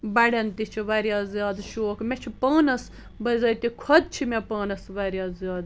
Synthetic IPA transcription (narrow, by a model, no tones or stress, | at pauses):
bɐɽent̪it͡ʃʰiʋɐɾjaːzjaːd̪ʃoːkmet͡ʃʰipɐːnɐs | bɐzɐjt̪ikʰɔd̪̚t͡ʃʰimepɐːnɐsʋɐɾjaːzijaːd̪